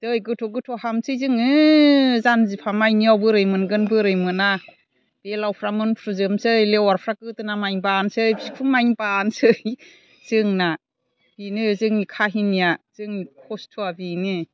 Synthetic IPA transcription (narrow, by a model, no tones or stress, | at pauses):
d̥ɯjɡɯtʰɔɡɯtʰɔɦamsɯjzɯŋɯ | zanzipʰamajniawbɯɾɯjmɯnɡɯnbɯɾɯjmɯna | b̥elawpʰɾamɯnpʰɾɯzɯmsɯjlewaɾpʰɾakɯtɯnamajŋbansɯjbsikʰuŋmajŋbansɯ | z̥ɯŋna | b̥inɯzɯŋikʰaɦinːijaz̥ɯŋikʰɔstʰuabini